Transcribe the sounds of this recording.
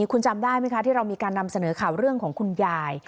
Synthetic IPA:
kʰu˧nt͡ɕa˧mdaː˥˩jma˦˥˩kʰa˦t̪ʰiː˥˩ɾa˧wmiː˧kaː˧nːa˧msa˧nɤː˩˦kʰaː˨˩wɾɯ˥˩əŋkʰɔː˩˦ŋkʰu˧njaː˧j

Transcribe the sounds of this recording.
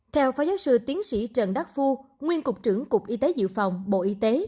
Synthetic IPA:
t̪ʰɛ˧wfaː˨˦jzaː˨˦wsɨ˧t̪i˨˦ənsḭ˧˥t͡ɕə˨˩nɗa˦˥k̚fu˧ŋwi˧ənkʊ˨˩k͡p̚t͡ɕɨ˧˩əŋkʊ˨˩k͡p̚ʔi˧t̪e˨˦zɨ̰˧˨fa˨˩wŋ͡mɓo̰˧˨ʔi˧t̪e˨˦

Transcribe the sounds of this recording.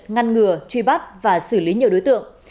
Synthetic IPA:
t̚ŋa˧nŋɨ˨˩ət͡ɕwi˧˩ɓa˦˥t̚vaː˨˩sɨ˧˩li˨˦ɲi˨˩əɗo˨˦jt̪ɨ̰˧˨əŋ

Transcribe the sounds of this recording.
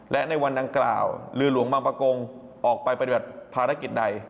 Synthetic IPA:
lɛ˦˥ʔna˧jwa˧nda˧ŋkla̰ː˨˩wlɯː˧lu˩˦əŋbaː˧ŋpa˧ko˧ŋ | ʔɔː˨˩k̚pa˧jpa˧t̪i˨˩ba˨˩t̪̚pʰaː˧ɾa˦˥ki˨˩t̪̚da˧j

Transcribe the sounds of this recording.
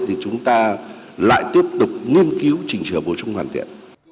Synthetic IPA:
t̪ʰi˨˩t͡ɕʊ˨˦ŋ͡mt̪aː˧ | la̰ː˧˨jt̪i˦˥əp̚t̪ʊ˨˩k͡p̚ŋi˧ənki˨˦wt͡ɕï˨˩ŋ̟t͡ɕɨ˧˩ɓo˨˩sʊ˧ŋ͡mhwaː˧˩nt̪ʰḭ˧˨ən

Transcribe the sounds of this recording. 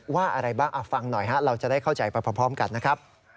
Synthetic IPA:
waː˥˩ʔa˧ɾa˧jbaː˥˩ŋʔa˨˩fa˧ŋnɔ˨˩jɦa˦˥ɾa˧wt͡ɕa˨˩daː˥˩jkʰa˥˩wt͡ɕa˧jpa˧jpʰa˧pʰɔː˦˥mka˧nːa˦˥kʰɾp̚

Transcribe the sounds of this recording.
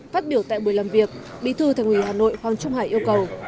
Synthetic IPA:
faː˦˥t̚ɓi˧˩əwt̪a̰ː˧˨jɓu˧˩əjlaː˨˩mvi˨˩ək̚ | ɓḭ˧˨t̪ʰɨ˧t̪ʰa˨˩ŋhwi˧˩ɦaː˨˩no̰˧˨jfwa˨˩nt͡ɕʊ˧ŋ͡mhaː˧˩jʔi˧əwkə˨˩w

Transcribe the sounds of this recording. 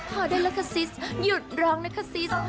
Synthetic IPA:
kʰɔː˨˩daː˥˩jla˦˥kʰa˧si˦˥sju˨˩t̪̚ɾɔː˦˥ŋla˦˥kʰa˧˩si˦˥s

